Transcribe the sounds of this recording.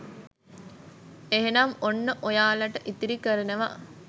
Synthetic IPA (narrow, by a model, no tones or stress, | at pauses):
eɦenɐmonːəʔojaːlɐʈəʔit̪iɾikəɾeneʋa̰